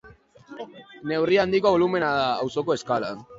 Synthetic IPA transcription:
ne̞wriand̪ikoβolume̞naðaːwso̞ko̞e̞skala̰

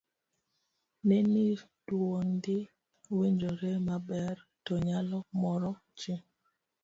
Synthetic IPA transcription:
neni | dwondɪ | weɲd͡ʒoɾemabɛrtɔɲalɔmɔɾɔ | t͡ʃɪ

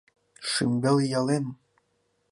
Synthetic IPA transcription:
ʂḭmbeljɑlen

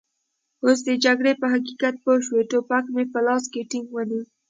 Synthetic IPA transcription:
os̬d̪əd͡ʒaɡɽepəɦakikat̪̚poʃweʈopakmepəlɑskeʈɪŋɡwəni

